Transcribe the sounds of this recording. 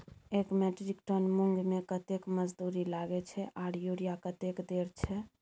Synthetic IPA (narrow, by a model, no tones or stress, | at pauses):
ekmɛʈɾikʈonmuŋɡʱmekət̪ekməd͡ʒd̪uɾilaɡɛt͡ʃʰɛʔaɽjuɾijakət̪ekd̪eɾt͡ʃʰɛ